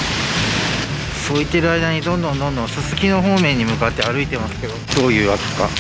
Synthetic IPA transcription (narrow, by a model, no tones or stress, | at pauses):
so̞ːit̪ːe̞ɾɯ̟aid̪aɲ̟id̪õ̞nd̪õ̞nd̪õ̞nd̪õsɨsɨkʲino̞ɦo̞ːmẽ̞ɲ̟ːimɯ̟kat̪ːe̞aɾɯit̪e̞masɨ̥ke̞d̪o̞d̪̥o̞ːjɯ̟ːβake̥ka̰